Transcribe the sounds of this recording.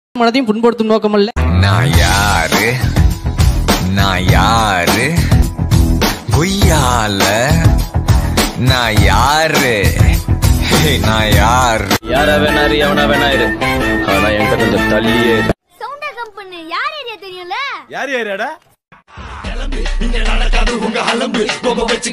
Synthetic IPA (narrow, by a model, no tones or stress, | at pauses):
mɐnɐðɐɪjʊ̃mpʊnpɔɽɯt̪ːɯmnoːk̬ɐmɐlːɐnã̰ːjaːɾ | nãːjaːɾ | kɔjːaːlɐ | nãːjaːɾɯ | enãːjaːɾjaːɾaːʋeːnaːɪɾɯjɐʋɐnaːʋeːnaːjɪɾɯɐɐnãːɛŋɐkːɐkɔɲd͡ʒɐt̪ɐlɪjeːɾɯ | sɔnd̪ɐːɣɐmpɐnːɯjaːɾeːɾɪjat̪ɐɾɪjʊ̃lɐjaːɾjaːɾjaːɽaː | ɡɐnɐɐkːaʊŋɡɐɦɐlɐmbɯkɔɡɐpːɐt͡ʃː